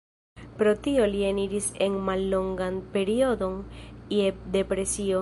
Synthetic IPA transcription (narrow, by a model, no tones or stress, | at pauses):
pɾo̞tio̞lieniɾise̞nmalːo̞ŋɡanpe̞ɾio̞do̞njede̞pɾe̞sio̞